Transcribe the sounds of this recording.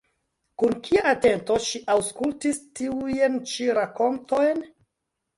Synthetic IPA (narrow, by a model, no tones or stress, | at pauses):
kunkʰiaʔate̞nto̞ʃiʔawskultistiujent͡ʃiɾako̞nto̞jn